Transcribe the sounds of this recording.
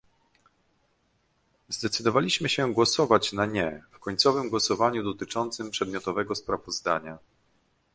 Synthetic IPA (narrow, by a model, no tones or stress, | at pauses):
zd̪ɛt̪sɘd̪ɔvalʲiɕmɘɕɛɡwɔsɔvat͡ɕnaɲɛfkɔɲt̪sɔvɘmɡwɔsɔvaɲud̪ɔt̪ɘt͡ʂɔnt̪sɘmpʂɛd̪mʲjɔt̪ɔvɛɡɔspɾavɔzd̪aɲa